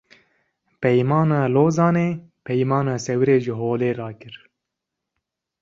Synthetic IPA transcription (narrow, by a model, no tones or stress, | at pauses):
pɛjmɑːnɑːloːzɑːneːpʰɛjmɑːnɑːsɛwɾeːʒɪɦoːleːɾɑːkɨɾ